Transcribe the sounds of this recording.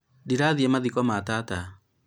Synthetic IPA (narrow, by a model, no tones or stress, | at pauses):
diɾaðiɛmaðikɔmatata